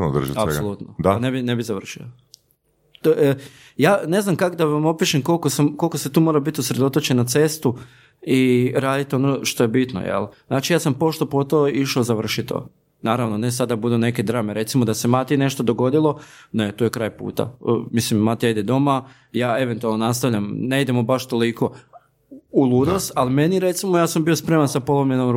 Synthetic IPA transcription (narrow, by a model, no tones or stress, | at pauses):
no̰d̪r̩ʒḭapsolˠut̪nod̪anebinebizaʋr̩ʃio̰ | t̪o | jaːne̞znamkakod̪aʋamopiʃemko̞lˠkosamko̞lˠkoset̪uːmoːɾabit̪usɾe̞d̪o̞t̪ot͡ɕenat̪se̞st̪u | iɾaːd̪it̪o̞noʃt̪oje̞bit̪no̰jḛlˠz̥naːt͡ʃijaːsampo̞ʃt̪opot̪oiʃozaʋr̩ʃit̪o̰ | naːɾaʋno̞ne̞sad̪abud̪une̞ked̪ɾaːmeɾe̞t̪simod̪ase̞mat̪ine̞ʃt̪o̞d̪o̞ɡo̞d̪ilˠo̞net̪uːje̞kɾaːjpṵːt̪a̰mislimːat̪ijaid̪ed̪o̞ma | jaːe̞ʋent̪ualˠnonast̪aʋʎʲamne̞id̪e̞mobaʃt̪oliko̞ | ulˠud̪ost̪alime̞niɾe̞t̪simojaːsambiospɾe̞mansapo̞lˠomʎe̞nom